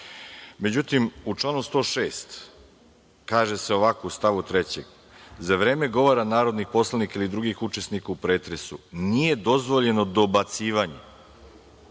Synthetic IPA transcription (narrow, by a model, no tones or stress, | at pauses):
me̞d͡ʑut̪imut͡ʃlˠaːnust̪o̞ːʃe̞ːst̪ | kaːʒe̞seo̞ʋakoust̪aʋut̪ɾe̞t͡ɕe̞ɡ | zaʋɾeːme̞ɡo̞ʋoɾanaːɾo̞d̪nipo̞slanikailid̪ɾuɡixut͡ʃe̞snikaupɾe̞ːt̪ɾe̞sunije̞d̪o̞zʋo̞ʎe̞no̞d̪o̞bat̪siːʋaɲe